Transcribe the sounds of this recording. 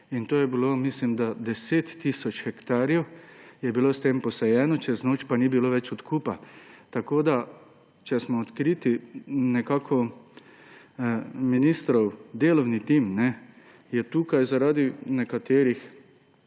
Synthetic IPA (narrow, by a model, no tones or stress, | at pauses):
int̪oːjɛbilomislimd̪ad̪ɛseːt̪ːisɔt͡ʃxɛkt̪aːɾjɛwjɛbiloːst̪empɔsɛjɛːnɔt͡ʃɛznoːt͡ʃpaniːbiloːʋɛt͡ʃɔt̪kupat̪akoːd̪a | t͡ʃɛsmɔːt̪kɾiːt̪inɛkaːkʰɔ | minist̪ɾɔwd̪eːlɔwnit̪imnɛ | jɛt̪uːkajzaɾaːd̪inɛkat̪eːɾix